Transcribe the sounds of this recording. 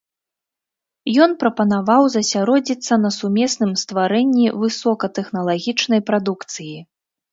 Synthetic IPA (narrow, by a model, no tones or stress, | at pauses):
jɔnpɾɐpɐnavawzɐsʲaɾɔd͡zʲit̪sːɐnɐsumʲɛsnɨmst̪vaɾɛnʲːivɨsɔkɐt̪ɛxnɐlˠaɣʲit͡ʂnɐjpɾad̪ukt̪sɨji